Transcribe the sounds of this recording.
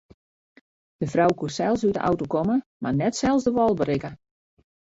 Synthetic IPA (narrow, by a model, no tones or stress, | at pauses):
d̥əfrawkusɛlˠsydəʔa̰wtokoməmarnɛtsɛlˠsdəʋɔlˠbəɾɪkə